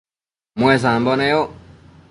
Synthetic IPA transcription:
mwɛzambɔnɛjɔ

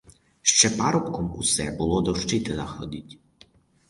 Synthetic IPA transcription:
ʃt͡ʃɛpaɾɔpkɔmkusɛbulˠɔd̪ɔʃt͡ʃɪt̪ɪnaxɔ̰d̪ʲitʲ

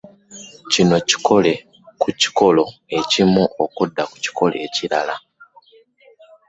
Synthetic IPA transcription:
cino̞ci̥kʰo̞le̞ | kuci̥ko̞lo̞e̞cimuokudːaku̥ci̥ko̞lʔe̞̰ːciɾala

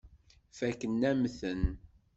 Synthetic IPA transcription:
fækːənːæmθən

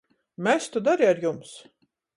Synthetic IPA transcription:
mɛst̪ud̪aɾiaɾjums

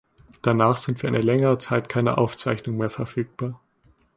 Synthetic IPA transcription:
d̥anaːχz̥ɪntv̥iːɐʔaɪnəlɛŋəʁət͡saɪtkʰaɪnə̰ʔa̰ʊft͡saɪçnʊŋmeːɐfɛɐfyːk̚b̥aːɐ

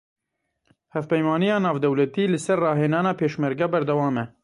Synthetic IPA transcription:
hɛfpɛjmɑːnijɑːnɑːvd̪ɛwlɛt̪iːlɨsɛrːɑːɦeːnɑːnɑːpʰeːʃmɛɾɡɛːbɛɾd̪ɛwɑːmɛ

